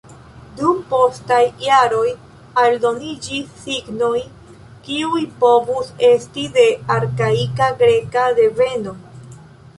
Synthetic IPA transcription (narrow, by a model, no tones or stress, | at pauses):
dumpo̞stajːaɾo̞j | aldo̞nid͡ʒisːiɡnoj | kiujpo̞vuse̞stide̞aɾkaikaɡɾe̞kade̞ve̞no̞